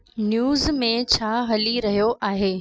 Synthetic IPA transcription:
njuːzmẽt͡ɕʰaːɦɐliɾɐɦijoʔaːɦeː

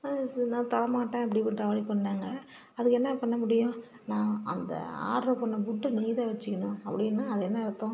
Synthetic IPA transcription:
nãːt̪ɐlɐmaːʈːẽːɐp̬ːɐɽipːɪnrɐʋaːlipːɐɳːeːŋɡɐ | ɐðɯkːɛnːɐpɐɳːɐmʊɽɪjʊ̃ | nãːɐ̰nd̪ɐ̰a̰ːɾɾopɐɳːɐbʊʈːɯnɛjðaːʋɐt͡ʃːɯkːɐnõːɐpːɐɽɪnːaːɐðɛnːɐɪɾɯt̪ːõː

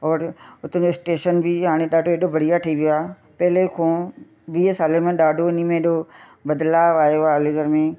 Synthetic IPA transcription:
ɔːɾʊt̪ə̃d͡ʑoɪsʈeːʃənbɪɦaːɽ̃eɗaːɖʱoeːɗobʱɐɽ̤ijaʈʰəiʋijoaː | pɐɦɪlekʰõː | ʋiːsaːlemẽɗaːɖʱoɪnimẽɗobɐd̪laːʋaːjoalɪɡəɾmẽ

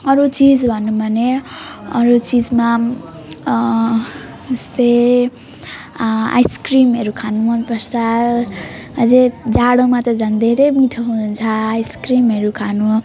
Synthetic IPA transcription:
ʌɾut͡sid͡zbʱʌnːubʱʌneʌɾut͡sid͡zma | est̪e | a̰jskrimɦeɾukʰanumʌnpʌɾsʰa | ʌd͡zed͡zaɽomat̪ʌd͡zʱʌnd̪ʱeɾemiʈʰʌɦuunt͡sʰʌajskrimɦeɾukʰanu

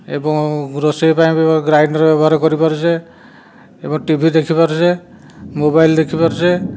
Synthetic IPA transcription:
ḛbɔŋɡɾosepaj̃bɡɾajnɔɾɔbɔbɔɦaɾkɔɾipaɾd͡ʒe | ebɔŋʈibʱid̪ekʰibaɾse | mobajld̪ekʰipaɾse

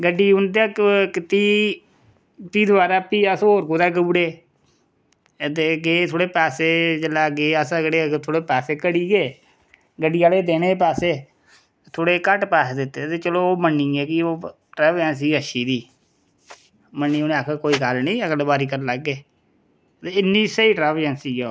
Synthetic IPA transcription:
ɡəɖːiːʊnt̪eəkkɪt̪iː | p̪iːd̪ʊʋaːɾaːpiːəsɦoːɾkoːd̪aːɡuːɽeː | t̪eːɡeːt̪ʰoːɽeːpɛːseːd͡ʒəlaːɡeːəsaɡəɽeːt̪ʰoːɽeːpɛːseːkəɽiːɡeː | ɡəɖːiːaːleːd̪eːñeːp̬ɛːseː | t̪ʰoːɽeːkəʈpɛːsd̪ɪt̪ːeːt̪eːt͡ʃəloːoːmənːĩːɡeːkɪoː | ʈɾɛːbd͡ʒɛ̃ːns̬iːəʃiːd̪iː | mənːiːoːnẽakʰkoːiːɡəlnĩːəɡəlbaːɾiːkəɾləɡːeː | t̪eːɪnːiːsəiːʈɾɛːʋd͡ʒɛ̃ːnsiːɛ

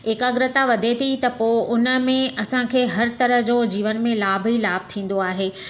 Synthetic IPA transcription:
eːkaɡɾɪt̪aʋɐd̪ʱet̪ʰit̪ɐpoːʔʊnə̆mẽʔɐsãkʰeːɦɐɾt̪ɐɾə̆ɦd͡ʑoːd͡ʑiːʋənmẽlaːbʱilaːb̚ʱt̪ʰĩːn̆d̪oaːɦeː

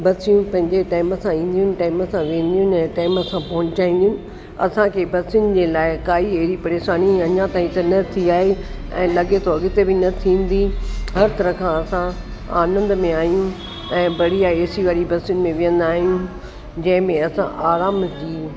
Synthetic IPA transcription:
bɐsijũpɐ̃ɦɪ̃ɲd͡ʑeʈaːɪməsãĩːn̆d̪ijʊnɪ̆ʈaːɪməsãʋẽːn̆d̪ijʊnɪɛ̃ːʈaːɪməsãpɐɦʊ̃ɲt͡ɕaːĩːn̆d̪ijʊnɪ̆ | ɐ̰sãkʰeːbɐsɪʊnɪd͡ʑeːlaːɪkaːieɦɾipɐɾeːʃaːniɐɲãt̪aːĩt̪ɐnɐt̪ʰiaːɦeɛ̰̃ːlɐɠet̪ʰoɐɠɪt̪ebɪnɐt̪ʰĩːn̆d̪iɦɐɾt̪ɐɾəkʰãɐsã | a̰ːnə̃nd̪mẽaːɦijũ | ɛ̃ːbɐɽiaːeːsiʋaːɽibɐsɪjʊnɪ̆mẽʋɪjə̃nd̪aːɦijũ | d͡ʑɐ̃ɦɪ̃mẽɐsã̰ʔaːɾaːmd͡ʑiː

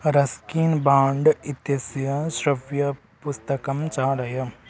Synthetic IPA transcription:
ɾɐskiːnbaːɳɖit̪jɐsjɐsɾɐʋjɐ | pust̪ɐkɐmt͡ʃaːɾɐjɐ

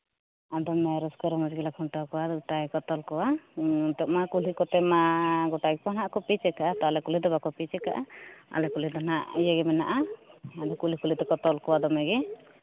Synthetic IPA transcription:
ad̪ɔnajɾɔskaɾɛmad͡ʒɡilakʰɔɳʈɔkɔwad̪ɡʈakɔt̪ɔlkɔwat̪ɔʔ̚makulikɔt̪ɛmaɡɔʈaɡɛpɔnaʔkɔpit͡ʃɛkaʔat̪ɔlɛkulid̪ɔbakɔpit͡ʃɛka̰ʔaa̰lɛkulid̪ɔnaʔijɛɡɛmɛnaʔaad̪ɔkulikulit̪ɛkɔt̪ɔlkɔwad̪ɔmɛɡɛ

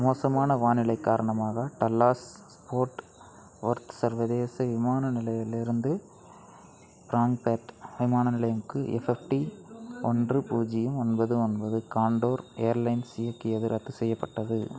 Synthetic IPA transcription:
moːsɐmaːnɐʋaːnɪlɐɪkːaːɾɐɳɐmaːɣɐʈɐlːaːsspoːɾʈ | ʋɔɾt̪ɯ̥sɐɾʋɐðeːsɐʋɪmaːnɐnɪlɐjɪlɪɾɯnd̪ɯ | pɾaːŋɡpeːʈʋɪmaːnɐnɪlɐjɐmkːɯʔɛ̰fɛfʈiʔɔndrɯpuːd͡ʒɪjɐmɔnbɐðɯɔnbɐðɯkaːɳɖoːɾejɐɾlɐɪnsɪjɐkːɪɐðɪɾʔɐt̪ːɯsɛjːɐpːɐʈːɐðɯ

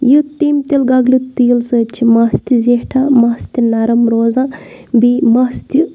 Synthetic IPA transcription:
jut̪ːimt̪ilɡɐɡlut̪iːlsət͡ʃʰimɐst̪izehʈʰamɐst̪inɐɾɐmɾoːzãːbimɐst̪ʰi

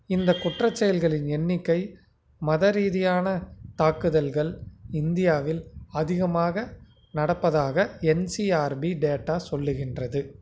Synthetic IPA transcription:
ɪnd̪ɐkʊʈrɐt͡ʃːɛjɐlɣɐɭɪnɛnːɪkːɐɪ | mɐðɐɾiːðɪjaːnɐt̪aːkɯðɐlɣɐɭɪnd̪ɪjaːʋɪlɐðɪɣɐmaːɣɐ | nɐɽɐpːɐðaːɣɐɛnsiaːɾbiɖeːʈːaːsɔlːɯɣɪndrɐðɯ

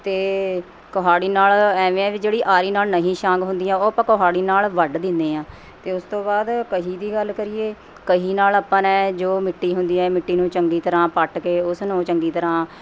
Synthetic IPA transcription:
t̪eː | kəɦaːɽiːnaːlɛːʋẽːɛ̃ːʋid͡ʒeːɽiːʔaːɾiːnaːlnəɦĩːʃãːɡɦʊ̃nd̪iːãːoːpãːkoɦaːɽiːnaːlʋəɖd̪ɪnd̪eːãː | t̪eːʊst̪õːbaːd̪kəɦiːd̪iːɡəlkəɾɪːeː | kəɦiːnaːlaːpːãnɛːd͡ʒoːmɪʈːiːɦʊnd̪iːɛ̃ːmɪʈːiːnũːt͡ʃəŋɡiːt̪əɾãːpəʈkeːʊsnũːt͡ʃəŋɡiːt̪əɾãː

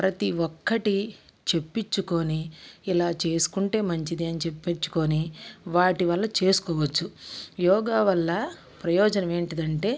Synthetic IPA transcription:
pɾɐt̪iʋɔkːɐʈit͡ʃe̞pːit͡ʃːuko̞ːniːlaːt͡ʃe̞ːsu̥kuɳʈe̞ːmɐɲt͡ʃid̪iɐnit͡ʃepːet͡ʃːu̥ko̞ːniʋaːʈiʋɐlːɐt͡ʃe̞ːsu̥kɔːʋɐt͡ʃːujɔːɡaːʋɐlːɐ | pɾɐjɔːd͡ʒɐnɐme̞ːɳʈid̪ɐɳʈe̞ː

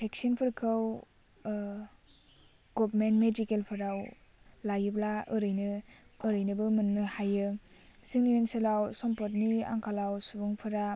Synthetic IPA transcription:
pʰeksinpʰɯɾkʰɯw | ɡɔbmentmedikelpʰɯɾaw | lajɯblaɯɾɯjnɯːɾɯjnɯbɯmɯnnɯhajɯsiŋnienselawsɔmpɔt̬nia̰ŋkʰalawsubuŋpʰɯɾa

